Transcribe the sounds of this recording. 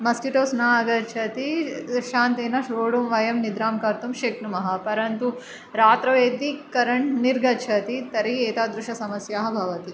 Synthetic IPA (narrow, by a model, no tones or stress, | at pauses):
mɐskiʈoːsnaːɐɡɐɾt͡ʃʰɐt̪iʃaːnt̪eːnɐʃɾoːɽumʋɐjɐmnid̪ɾaːmkaɾt̪umʃeknumɐɦɐpɐɾɐnt̪u | ɾaːt̪ɾɐʋeːd̪ikɐɾɐɳʈniɾɡɐt͡ʃʰɐt̪it̪ɐɾieːt̪aːd̪ɾuʂɐsɐmɐsjaːɦɐbʱɐʋɐt̪i